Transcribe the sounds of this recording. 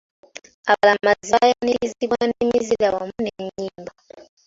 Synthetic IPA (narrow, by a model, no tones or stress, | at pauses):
aalamaziajaniiziβwanemizilawamuneɲɲiːmba